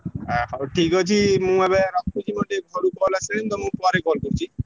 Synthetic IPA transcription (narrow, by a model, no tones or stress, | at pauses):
ɛʈʰikɦot͡ɕʰimũɛβeɾɔkːud͡ʑimɔʈeɡʱɔɽukɔlasent̪ɔmũpɔaɾeɡɔlkoɾt͡ɕʰi